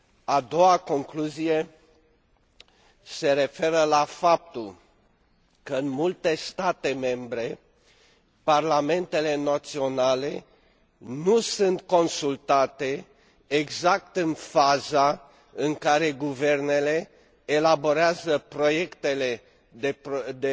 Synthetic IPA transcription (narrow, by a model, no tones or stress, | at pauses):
ad̪o̞wako̞ŋkluzije̞ | se̞ɾe̞fe̞ɾəlafap̚t̪ul | kəɨnmult̪e̞st̪at̪e̞me̞mbɾe̞ | parlame̞nt̪e̞le̞nat̪sio̞nale̞ | nusɨnt̪ko̞nsult̪at̪e̞ | eɡzak̚t̪ɨnfaza | ɨŋkaɾe̞ɡuve̞rne̞le̞ː | labo̞ɾeazəpɾo̞je̞kt̪e̞le̞ | d̪